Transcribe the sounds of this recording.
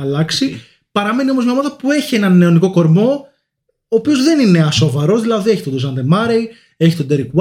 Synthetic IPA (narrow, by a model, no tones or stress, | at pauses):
ɐlɐksi | pɐɾɐme̞nio̞mozmeomɐt̪ɐpue̞çie̞nɐnːe̞o̞niko̞ko̞ɾmo̞ | oːpio̞zðe̞nine̞ɐso̞vɐɾo̞zðilɐðieçit̪od̪osɐnd̪emɐɾej | e̞çi̥t̪o̞d̪eɾikw